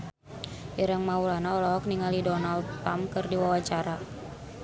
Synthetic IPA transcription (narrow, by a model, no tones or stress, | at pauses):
ʔiɾaŋmaulanaɔlɔɦɔk̚niŋalidɔnald̪̚amp̚kɨrdiwawat͡ʃaɾa